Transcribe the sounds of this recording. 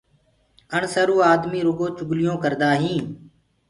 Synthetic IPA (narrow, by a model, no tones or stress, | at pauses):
əɳsəɾuːaːd̪miːɾʊɡoːt͡ʃʊɡlɪjõːkəɾd̪aːɦĩː